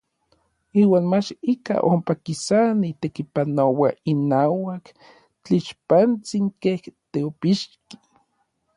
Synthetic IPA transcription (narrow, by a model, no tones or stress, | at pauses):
iːwaːnmat͡ʃika̰ʔompakisanit̪ekipanowainaːwak | t͡ɬiʃpant͡siŋkeht̪eopiʃki̥